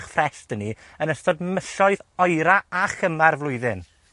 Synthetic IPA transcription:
χfrɛstəni | ənəstɔdməɬɔɨðɔjɾaaχəmarvlˠʊɨðɪn

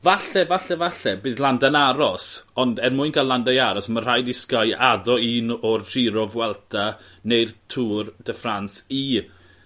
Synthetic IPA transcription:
vaɬɛvaɬɛvaɬɛbɨːðlˠandanaɾɔsɔndɛnmʊɨnkʰalˠandajaɾɔsmər̥ajdɪskajaðɔiːnɔrd͡ʒ̥iɾɔvwɛlˠtʰanejrtʰuːrd̥əfransi

